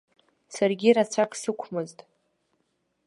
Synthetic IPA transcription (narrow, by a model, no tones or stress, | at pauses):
sarɡʲiɾat͡ɕʷʰakʰʼsɨkʷʰmɨztʼ